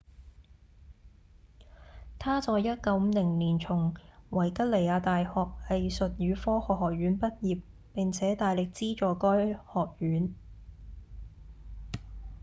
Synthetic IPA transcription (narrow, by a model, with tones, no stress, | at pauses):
t̪ʰaː˥t͡sɔː˨˧jːɐ˥t̚kɐ˨˧˥wm̩˨˧lɪ˨˩ŋliː˨˩nt͡sʰʊ˨˩ŋwɐ˨˩jkɐ˥t̚le˨˩jaː˨˧t̪aː˨jhɔː˨k̚ɐ˨jsɵ˨t̚ɥyː˨˧fɔː˥hɔː˨hɔː˨k̚jyː˨˥npɐ˥t̚jiː˨p̚ | pɪ˨˩ŋt͡sʰɛː˨˥t̪aː˨jlɪ˨k̚t͡siː˥t͡ʃɔː˨kɔː˥jhɔː˨˩k̚jyː˨˥n